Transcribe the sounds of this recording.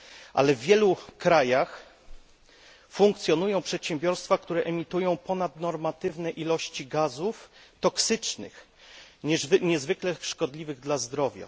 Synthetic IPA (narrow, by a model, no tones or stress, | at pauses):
ʔa̰lɛvːʲjɛlukɾajax | fuŋk̚t̪sʲjɔnujɔ̃w̃pʂɛt̪ɕɛmbʲjɔɾst̪fakt̪uɾɛʔɛmʲit̪ujɔ̃w̃pɔnad̪nɔɾmat̪ɘvnɛʔilɔɕt͡ɕiɡazuft̪ɔksɘt͡ʂnɘ̰x | ɲɛvɲɛzvɘklɛʂkɔd̪lʲivɘɣd̪lazd̪ɾɔvʲja̰